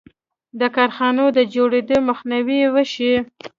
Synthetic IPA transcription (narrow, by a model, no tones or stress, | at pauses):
d̪əkɑɾxɑnod̪əd͡ʒoɽed̪oməxniwiwəʃi